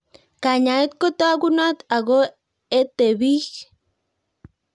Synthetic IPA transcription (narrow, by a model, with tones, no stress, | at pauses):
ka˨ɲa˨e˦t̪̚ko˦t̪oaɡunat̪a˨ɡo˦ | e˦t̪e˨βi˦h